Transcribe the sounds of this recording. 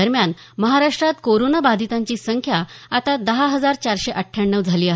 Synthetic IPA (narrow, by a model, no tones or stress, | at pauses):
əɾmjan | məɦaɾaʂʈɾat̪koɾonabad̪ʱit̪aɲt͡ɕiːsəŋkʰjaat̪ad̪əɦaɦəd͡zaɾt͡ɕaɾɕeʔəʈʰjaɳːəʋd͡zʱaliːaɦ